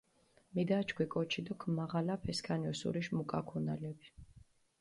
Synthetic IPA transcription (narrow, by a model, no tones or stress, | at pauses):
mid̪at͡ʃʰkʰwikʼɔt͡ʃʰid̪ɔkʰmaʁalapʰɛskʰaniɔsṵɾiʃmukʼakʰɔnalɛbi̥